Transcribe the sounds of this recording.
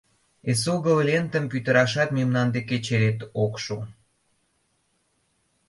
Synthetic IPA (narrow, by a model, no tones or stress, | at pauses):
esoɣəβlʲent̪ə̆mpyt̪ə̆ɾɑʃɑt̪memnɑnd̪eket͡ɕeɾet̪okʃo